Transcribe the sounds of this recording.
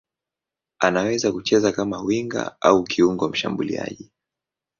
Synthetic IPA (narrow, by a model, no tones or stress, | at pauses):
anawɛzakut͡ʃɛzakamawiŋɡa̰aukʰiuŋɡɔm̩ʃa̰mbulia̰ʄi